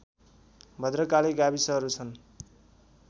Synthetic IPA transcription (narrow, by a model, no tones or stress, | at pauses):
bʱʌd̪rʌkaleɡabisʌɦʌɾut͡sʰʌn